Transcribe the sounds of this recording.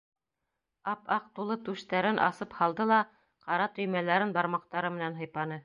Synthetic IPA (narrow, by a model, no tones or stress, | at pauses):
ɑpɑq̚t̪ulˠɤt̪ʉʃt̪æɾɘnʔɑ̰sɤphɑlˠd̪ɤlˠɑ | qɑɾɑt̪ɵ̆jmælæɾɘnbɑɾmɑq̚t̪ɑɾɤmɘ̆nænɦɤ̆jpɑnɤ